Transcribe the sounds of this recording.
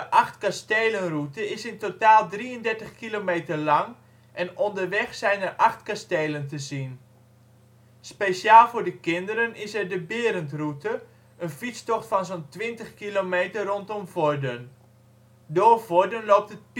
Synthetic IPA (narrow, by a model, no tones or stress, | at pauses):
əʔɑxtkastejlənrutəɪsɪntotaːlˠdriəndɛrtəχkilomeːtərlɑŋ | ʔɛnɔndərʋɛxsɛjnərʔɑxtkastejləntəzin | speʃjaːlˠvʊːrdəkɪndəɾənɪsɛrdəbɪəɾəntrutə | ənfit͡stɔχtfɑnzontʋɪntəχkilomeːtərrontomvordən | doːrvoɹdənloːp̚tət̚p